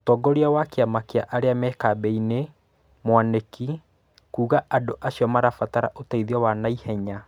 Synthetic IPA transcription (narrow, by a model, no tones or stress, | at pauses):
tɔɡɔɾiawakeamakeaʔaɾeamɛːkabɛine | mwaneki | kuːɣaʔandoʔaɕiɔmaɾafataɾa̰ʔotaiðiɔwanaihɛɲa